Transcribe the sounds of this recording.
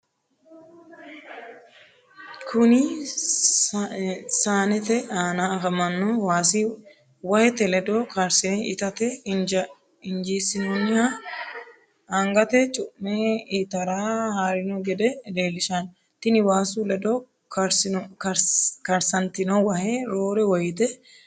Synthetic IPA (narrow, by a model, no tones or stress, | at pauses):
kʰʊnɪ | saːnɛt̪ɛaːnaːfɐmɐnːɔwaːsɪ | wɐhɛt̪ɛlɛd̪oːkɐɾsɪnɛɪt̪ɐt̪ɛ | ɪnd͡ʒiːsɪnonːɪjaː | ɐŋɡɐt̪ɛt͡ʃʼʊʔmeit̪ɐɾaːhaːɾɪnɔɡɛd̪ɛleːlɪʃan | t̪ɪnɪwaːsulɛd̪oː | kɾs | kɐɾsɐnt̪ɪnowɐheːɾoːɾɛwɐjt̪ɛ